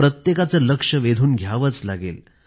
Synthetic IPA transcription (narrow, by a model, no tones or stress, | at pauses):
ɾət̪jekat͡səːləkʂəʋed̪ʱuːnɡʱjaʋət͡sla̰ɡḛl